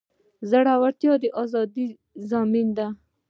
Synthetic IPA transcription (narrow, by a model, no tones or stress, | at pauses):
zaɽawaɾt̪jɑd̪əʔɑzɑd̪i | zɑmind̪a